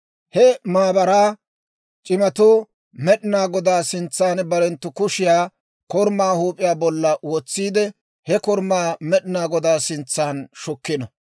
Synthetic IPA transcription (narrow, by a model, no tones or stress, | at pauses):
hɛmaːbɐɾaː | t͡ʃʼɪmɐt̪oː | mɛɗɪnaːɡɔd̪aːsɪnt͡sːaːnbɐɾɛnt̪ːʊkʊʃɪjaː | kɔɾmaːhuːpʼɪjaːbɔlːɐwɔt͡sːiːd̪ɛ | hɛkɔɾmaːmɛɗɪnaːɡɔd̪aːsɪnt͡sːaːnʃɔkːɪnɐ